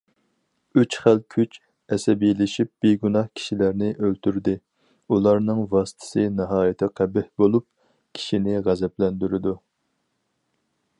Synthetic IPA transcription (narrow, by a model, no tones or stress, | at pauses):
yt͡ʃχælkʲʰyt͡ʃ | ɛsɛbijlɪʃip̚b̥eɡunɑhkʲʰi̥ʃilæɾnɪʔølt̪ʰyɾd̪ɪ | ulˠɑɾnɨŋvɑsɨ̥t̪ʰɨ̥sɨnɨɦɑːjit̪ʰɪqʰæbɪhbolˠup̚ | kʲʰi̥ʃinɪʁæzɛplɛnd̪yɾɪd̪u